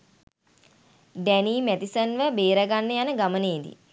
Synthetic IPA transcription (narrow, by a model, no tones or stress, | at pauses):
ɖæniːmæt̪isənʋəbeːɾəɡanːejanəɡaməneːd̪ḭ